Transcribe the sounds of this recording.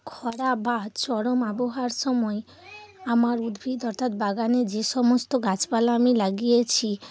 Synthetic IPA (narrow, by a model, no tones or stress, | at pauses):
kʰɔɽabad̪t͡ɕɔɽomaboɦaɾʃɔmɔe | amaɾud̪bʱid̪ɔɾt̪ʰat̪̚baɡaned͡ʑeʃɔmost̪oɡat͡ɕbalaamilaɡijet͡ɕʰi